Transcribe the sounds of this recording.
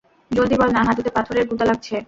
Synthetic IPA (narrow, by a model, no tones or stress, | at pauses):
d͡ʑold̪ibɔlnaɦat̪ud̪epat̪ʰoɾeɾɡud̪alaɡ̚t͡ɕʰe